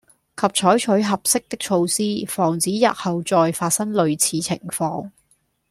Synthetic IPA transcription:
kʰɐ˨p̚t͡ʃʰɔː˨˥jt͡ʃʰɵ˨˥ɥɦɐ˨p̚sɪ˥k̚t̪ɪ˥k̚t͡ʃʰo˧wsiː˥fɔː˨˩ŋt͡siː˨˥jɐ̰˨t̚hɐ˨wt͡sɔː˨jfaː˧t̚sɐ˥ŋlɵ˨˧ɥt͡sʰiː˨˥t͡sʰɪ̰˨˩ŋfɔː˧ŋ

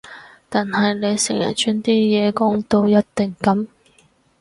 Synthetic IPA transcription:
t̪aː˨nhɐ˨jne˨˧jsɪ̰˨˩ŋjɐ̰˨˩t͡ʃyː˥nt̪iː˥jɛː˨˧kʊ˥ŋt̪o˥wjɐ˥t̚t̪ɪ˨ŋkɐ˨˥m

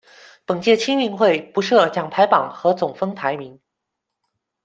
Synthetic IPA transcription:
pə˨˩ŋt͡ɕjɛ˥˩t͡ɕʰi˥ŋmi˧˥ŋxwe˥˩ɪpu˧˥ʂɤ˥˧t͡ɕjɑ˨˩ŋpʰa˧˥ɪpɑ˨˩ŋxɤ˧˥t͡sʊ˨˩ŋfɤ˥ŋt̪ʰa˧˥ɪmi˧˥ŋ

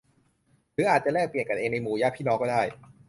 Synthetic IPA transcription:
ɾɯː˨˦˥ʔaː˨˩t̪̚t͡ɕa˨˩lɛː˥˩k̚pli˨˩ənka˨nʔeː˧ŋna˧jmuː˨˩˦jaː˦˥˩pʰiː˥˩nɔː˦˥kɔ˥˩daː˥˩j

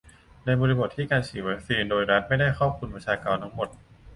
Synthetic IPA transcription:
na˧jbɔː˧li˧bo˨˩t̪ʰːiː˥˩kaː˧nsiː˨˩˦wa˦˥k̚siː˧ndoː˧jɾa˦˥t̪̚ma˥˩jdaː˥˩jxʰɔː˥˩p̚kʰu˧npɾa˧t͡ɕʰaː˧kaː˧nt̪ʰa˦˥ŋmo˨˩t̪̚

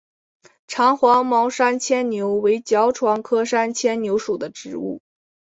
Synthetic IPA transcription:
ʈ͡ʂʰɑ˧˥ŋxwɑ˧˥ŋmɑ˧˥ʊʂa˥nt͡ɕʰjɛ˥nnjo˧˥ʊwe˧˥ɪt͡ɕjɑ˧˥ʊʈ͡ʂʰwɑ˧˥ŋkʰɤ˥ʂa˥nt͡ɕʰjɛ˥nnjo˧˥ʊʂu˨˩d̪ə˦ʈ͡ʂɻ̩˧˥ṵ˥˩

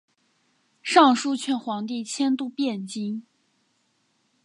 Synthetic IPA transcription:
ʂɑ˥˧ŋʂu˥˧t͡ɕʰɥɛ˥˩nxwɑ˧˥ŋt̪̬i˥˩t͡ɕʰjɛ˥nt̪u˥˧pjɛ˥˩nt͡ɕi˥ŋ

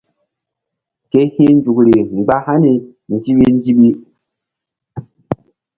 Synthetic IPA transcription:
ke˦hĩ˦n˦d͡ʒu˨kɾi˨ŋ͡mɡ͡ba˦ha˦ni˨ | n̩˨d͡ʒi˦ɓi˦n˦d͡ʒi˦ɓi˦

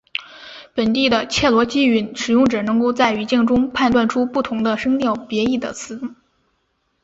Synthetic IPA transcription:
pə˨˩nt̪i˥˩d̪ə˩t͡ɕʰjɛ˥˩lwɔ˧˥t͡ɕi˥y˧˥nʂɻ̩˨˩jʊ˥˩ŋʈ͡ʂɤ˨˩nɤ˧˥ŋko˥˧ʊt͡sa˥˩ɪy˧˥t͡ɕi˥˩ŋʈ͡ʂʊ˥ŋpʰa˥˧nt̪wa˥˩nʈ͡ʂʰu˥pu˥˩t̪ʰʊ˧˥ŋd̪ə˧ʂɤ˥ŋt̪jɑ˥˩ʊpjɛ˧˥i˥˩d̪ə̰˩t͡sʰɹ̩˧˥

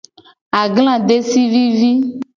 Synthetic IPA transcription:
a˨ɡl̃ã˦˨ɖe˦si˦vi˦vi˦

